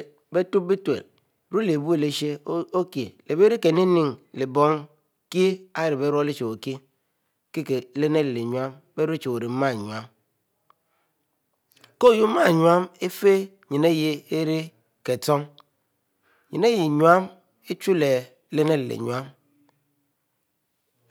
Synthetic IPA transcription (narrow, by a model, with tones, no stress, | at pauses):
be˦tu˦p̚bi˦tḛ˨l | ɾu˦le˨bu˦e˨le˦ʃe˦o˦kji˨le˨be˦ɾi˦ke˨ni˦ni˦˨ŋli˨bɔ˦ŋ | ki˦a˦ji˨ɾi˨be˦ɾo˦li˦t͡ʃe˨o˨ki˦ | ki˦ke˨˦le˦ne˦lle˨ɲ˦a˦m | be˦ɾu˦t͡ʃe˨o˨ɾi˨m̩˦ma˦˨ɲwa˦m | ko˦˨ju˦ma˦˨ɲwa˦me˦fe˦ | ɲi˨ne˦ji˦e˦ɾi˦ | ke˨tɔ˦ŋ | ɲi˨ne˦ji˨ɲwa˦m | e˦t͡ʃu˦le˨˦ | le˦ne˦llḛ˨ɲwa˦m